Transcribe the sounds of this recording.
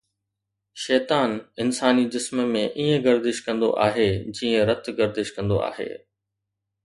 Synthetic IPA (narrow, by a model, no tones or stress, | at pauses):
ʃɛːt̪aːnɪnsaːnid͡ʑɪsmmẽʔiːə̃ɡɐɾd̪ɪʃkɐ̃nd̪o̰ʔa̰ːɦed͡ʑiːə̃ɾɐt̪ʰɡɐɾd̪ɪʃkɐ̃nd̪o̰ʔa̰ːɦḛː